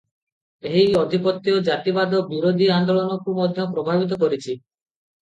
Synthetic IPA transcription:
eɦiɔd̪ʱipɔt̪ːiɔd͡ʒat̪ibad̪ɔbiɾod̪ʱiand̪olɔnɔkumɔd̪ʱjɔpɾɔbʱabit̪̬ɔkɔɾit͡ʃʰi

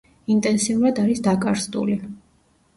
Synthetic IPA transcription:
int̪ʼɛnsiuɾad̪aɾisd̪akʼaɾzd̪ʼṵli

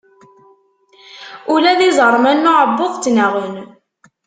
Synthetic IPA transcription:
ulæðizəɾˤmænːʊʕəbːʊðˤt͡sːnaʁən

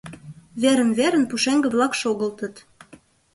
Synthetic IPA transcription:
βeɾə̆nβeɾə̆npuʃeŋɡə̆βlɑkʃoɣə̆lt̪ə̆t̪

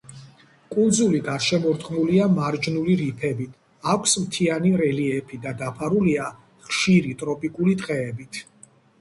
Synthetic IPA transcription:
kʼulˠd̪zuliɡaɾʃɛmɔɾt̪ʼqʼmuliamaɾd͡ʒnuliɾipʰɛbit̪ʰ | akʷʰsmt̪ʰianiɾɛliɛpʰid̪ad̪apʰaɾulia | χʃiɾit̪ʼɾɔpʼikʼulit̪ʼqʼɛːbit̪ʰ

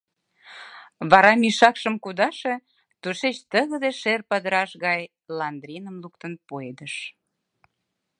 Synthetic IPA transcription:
βɑɾɑmiʃɑkʃəmkud̪ɑʃe | t̪uʃet͡ɕt̪əɣə̆d̪eʃerpəd̪əɾɑʃɣɑj | lɑnd̪ɾʲinəmluk̚t̪ənpoed̪əʃ

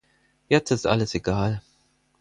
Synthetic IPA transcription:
jɛt͡stɪstʔa̰ləseɡ̥aːl

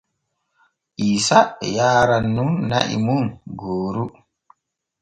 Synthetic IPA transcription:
ʔiːsajaːɾanːunːa̰ʔḭmunɡoːɾu

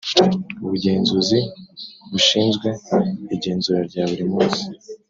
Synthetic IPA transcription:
uβuɟe̞ːnzuziβuʃiːnzɡwe̞ːɟe̞ːnzuɾaɾɟaːβuɾimuːnsi̥

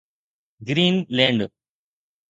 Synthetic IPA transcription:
ɡɾiːnleːɳɖɨ

